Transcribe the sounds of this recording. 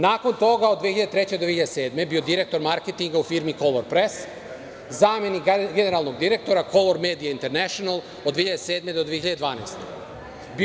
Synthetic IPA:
naːko̞nt̪o̞ɡaod̪ʋiehiʎad̪t̪ɾet͡ɕed̪oeiʎad̪ese̞ːd̪me̞biod̪iɾe̞k̚t̪o̞ɾmaɾket̪iŋɡaufiːɾmiko̞loɾpɾes | zaːme̞nikɡene̞ɾalˠno̞ɡd̪iɾek̚t̪o̞ɾakʰo̞loɾme̞ːd̪ijaint̪e̞ɾneʃonalˠ | od̪ʋeːiʎad̪ese̞ːd̪me̞d̪od̪ʋieçiʎad̪d̪ʋaːna̰jst̪o | bi

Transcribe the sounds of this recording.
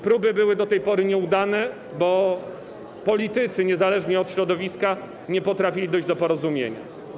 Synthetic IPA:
pɾubɘbɘwɘd̪ɔt̪ɛjpɔɾɘɲɛud̪anɛ | bɔ | pɔlʲit̪ɘt̪sɘɲɛzalɛʐɲɛɔt̪ɕɾɔd̪ɔvʲiska | ɲɛpɔt̪ɾafʲilʲid̪ɔjʑd͡ʑd̪ɔpɔɾɔzumʲjḛɲa̰

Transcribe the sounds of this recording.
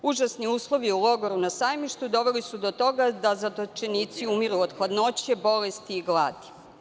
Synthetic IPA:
uʒasniuːslˠo̞ʋiulo̞ɡoɾunasaːjmiʃt̪ud̪o̞ʋelisud̪o̞t̪o̞ɡad̪azad̪ot͡ʃenit̪siumiɾuod̪xlad̪no̞t͡ɕe̞bo̞lest̪iːɡlˠaːd̪i̥

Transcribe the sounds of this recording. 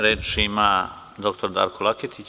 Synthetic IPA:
ɾet͡ʃʃima | d̪okt̪ʰoɾd̪a̰ɾkʰolˠakʰet̪ʰit͡ʃ

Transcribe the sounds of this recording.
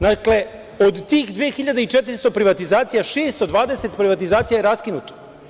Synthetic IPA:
d̪akle̞ | o̞d̪t̪iːxd̪ʋijexiʎad̪eit͡ʃet̪iɾst̪o̞pɾiʋat̪izaːt̪sijaʃeːst̪o̞d̪ʋaːd̪eset̪pɾiʋat̪izaːt̪sijajeɾaskinut̪o̥

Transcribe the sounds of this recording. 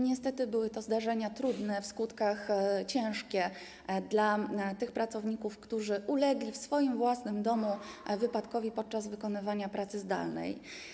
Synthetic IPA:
ɲɛst̪ɛt̪ɘbɘwɘt̪ɔzd̪aʐɛɲat̪ɾud̪nɛfskut̪kaxt͡ɕɛ̃w̃ʂkʲɛ | d̪lat̪ɘxpɾat̪sɔvɲikufkt̪uʐɘʔulɛɡlʲifsfɔjimvwasnɘmd̪ɔmuvɘpat̪kɔvʲipɔt̪̚t͡ʂazvɘkɔnɘvaɲapɾat̪sɘzd̪a̰lnɛ̰j

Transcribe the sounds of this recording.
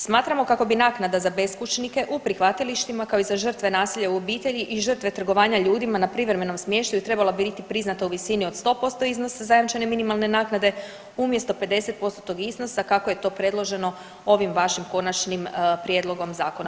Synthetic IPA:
smaːt̪ɾamo̞kako̞binaːknad̪azabe̞skut͡ʃnike̞ʔupɾixʋat̪iliʃt̪imakao̞izaʒər̩t̪ʋe̞naːsiʎauo̞biːt̪e̞ʎiʔiʒər̩t̪ʋe̞t̪r̩ɡo̞ʋaːɲaʎuːd̪imanapɾiʋɾeme̞no̞msmje̞ːʃt̪ajut̪ɾe̞balˠabiɾit̪ipɾiznat̪auʋisinio̞d̪st̪o̞ːpo̞st̪o̞izno̞sazajamt͡ʃene̞minimalˠne̞naːknad̪e̞ | umje̞st̪o̞pe̞d̪e̞se̞t̪̚po̞st̪ot̪o̞ɡizno̞sakakoje̞t̪o̞ːpɾe̞d̪lˠo̞ʒe̞no̞ | o̞ʋimʋaʃimko̞nat͡ʃnimpɾje̞d̪lˠo̞ɡo̞mzaːkona

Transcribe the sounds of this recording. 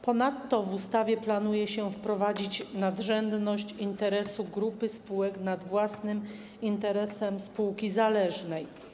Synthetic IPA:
pɔnat̪ːɔvust̪avʲjɛplanujɛɕɛfpɾɔvad͡ʑit͡ɕnad̪ʐɛnd̪nɔɕt͡ɕint̪ɛɾɛsuɡɾupɘspuwɛknad̪vwasnɘm | int̪ɛɾɛsɛmspuwkʲizalɛʐnɛj

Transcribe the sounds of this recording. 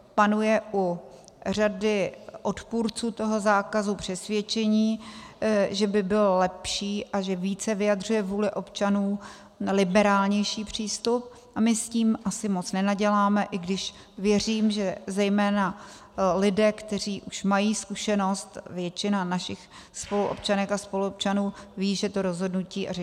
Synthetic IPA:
panujɛʔur̝adɪʔo̞t̪puːɾt͡suːt̪o̞ɦo̞zaːkazupr̝̥ɛsvjɛt͡ʃɛɲiː | ʒɛbɪbɪllɛpʃiːʔaʒɛviːt͡sɛvɪjadr̝ujɛvuːlɪʔo̞pt͡ʃanuː | lɪbɛɾaːlɲɛjʃiːpr̝̥iːst̪up̚ | ʔamɪsciːmʔasɪmot͡snɛnaɟɛlaːmɛʔɪɡdɪʃ | vjɛr̝iːmʒɛzɛjmɛːna | lɪdɛːkt̪ɛriːʔuʃmajiːskuʃɛno̞st̪vjɛt͡ʃɪnanaʃɪxspo̞luʔo̰p̚t͡ʃanɛkaspo̞luop̚t͡ʃanuːviːʒɛt̪o̞ɾozɦo̞dnuciːʔaʒɛ

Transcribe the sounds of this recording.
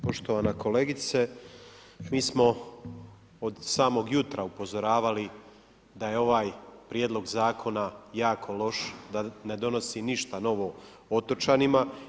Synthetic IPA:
po̞ʃt̪o̞ʋanako̞le̞ːɡit̪se | miːsmo̞ | od̪saːmo̞ɡjut̪ɾaupo̞zo̞ɾaːʋali | d̪aje̞o̞ʋaːjpɾjed̪lˠo̞ɡzaːkʰo̞najaːkʰo̞lo̞ʃd̪ane̞d̪o̞no̞siniʃt̪ano̞ʋo̞ | ot̪ot͡ʃanima

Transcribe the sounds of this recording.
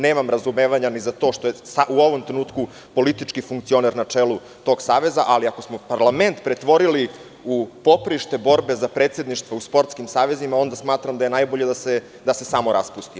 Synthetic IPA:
neːmamɾazumeːʋaɲanizat̪o̞ːʃt̪o̞jesaʔuo̞ʋomt̪ɾenuːt̪ku | po̞lit̪it͡ʂkifuŋkt̪sio̞neɾnat͡ʂeːlu | t̪o̞ɡsaːʋe̞za̰ʔaliako̞smopaɾlˠament̪pɾet̪ʋo̞ɾili | upo̞pɾiʃt̪e̞bo̞ɾbe̞zapɾeːt̪se̞d̪niʃt̪ʋauspo̞ɾt̪skimsaːʋe̞zimao̞nd̪asmaːt̪ɾamd̪aje̞najboʎed̪ase | d̪ase̞samo̞ɾʔa̰spust̪i

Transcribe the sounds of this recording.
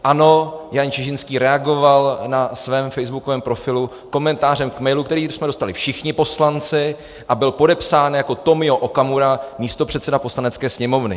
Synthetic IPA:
ʔano̞jant͡ʃɪʒɪnskiːɾɛaɡo̞valnasvɛːmfɛjzbukovɛːmpɾo̞fɪlu | ko̞mɛnt̪aːrɛmkmɛjlukt̪ɛɾiːsmɛdo̞st̪alɪfʃɪxɲɪpo̞slant͡sɪ | ʔabɪlpo̞dɛpsaːnjako̞t̪o̞mɪo̞ʔokamuɾamiːst̪o̞pr̥ɛt̪sɛdapo̞slanɛtt͡skɛːsɲɛmo̞vnɪ̰

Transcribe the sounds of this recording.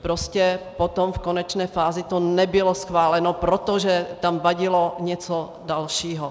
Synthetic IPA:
pɾoscɛpot̪omfkonɛt͡ʃnɛːfaːzɪt̪onɛbɪlosxvaːlɛnopɾot̪oʒɛt̪amvaɟɪloɲɛt͡so | dalʃiːɦo

